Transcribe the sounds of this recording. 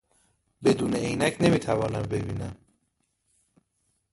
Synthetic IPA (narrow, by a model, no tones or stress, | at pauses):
be̞d̪uːneejnæcʰne̞miːt̪ʰævɒːnæmbe̞biːnæ̰m